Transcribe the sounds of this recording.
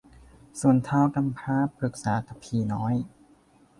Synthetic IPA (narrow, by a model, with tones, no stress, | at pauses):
su˨˩ənt̪ʰaː˧wka˧mpʰaː˧˥pʰɾɯ˨˩k̚saː˩˦t̪ʰa˨˧˩pʰiː˧˩nɔː˦˥j